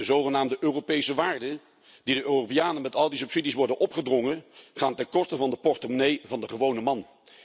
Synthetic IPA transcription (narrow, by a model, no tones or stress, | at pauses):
dəzowχənaːmdəʔøːropejsəʋaːɹdə | d̥idəʔøːropijaːnənmɛtɑlˠdisɵpsidisʋɔɹdənʔɔpχədrɔŋənχaːntɛnkɔstəvɑndəpɔrtomnejvɑndəχəʋownəmɑn